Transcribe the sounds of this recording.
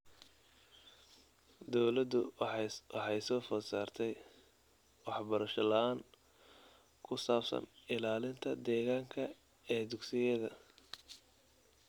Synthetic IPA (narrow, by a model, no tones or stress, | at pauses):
d̪ɔwlɐd̪ʊwɑħɑjsɔːfɔsaːrt̪ʰɛj | wɑħbɐɾɐʃɐlɐaːŋ | kʰʊsaːbsɐ̰nɪlaːlɪnt̪ʰɐd̪ɛːɣaːŋkʰɐ | ɛːd̪ʊɡsɪjɛðɐ